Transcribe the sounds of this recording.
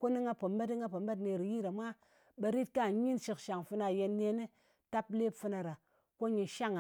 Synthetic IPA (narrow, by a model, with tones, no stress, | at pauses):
ko˦ni˦ŋa˦po˨m˦be˦ti˦ŋa˦po˨mba˦t̬ne˧˨ɾi˨ji˦ɾa˨mʷa˦ | ɓe˧ɾi˦t̚ka˦˨˦ɲi˦nʃi˧˨kʃa˨ŋfɨ˧na˧˨je˧nːe˧˦ne˦ | ta˦ple˦pfɨ˧na˨ɾa˨ | ko˦ɲi˧ʃa˦ŋa˨